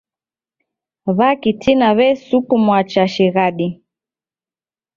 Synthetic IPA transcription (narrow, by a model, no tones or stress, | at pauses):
βakitinaβɛsukumwat͡ʃaʃiɣaɗi